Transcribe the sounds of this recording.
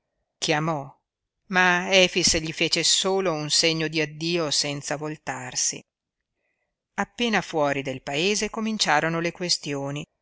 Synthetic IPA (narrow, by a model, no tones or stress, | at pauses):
kʰjamɔ | maɛːfisʎifeːt͡ʃesoːlounseɲːod̪iad̪ːiːosɛnt̪savolt̪arsḭ | apːeːnafwɔːɾid̪elpaeːzekomint͡ʃaːɾonolekwest̪joːni